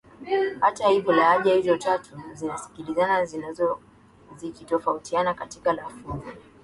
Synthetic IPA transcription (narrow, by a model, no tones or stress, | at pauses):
hatahivjɔlaaʄahizɔtatʰuzinasi̥kilizanazinazɔ | zikitɔfautianakatikalafuza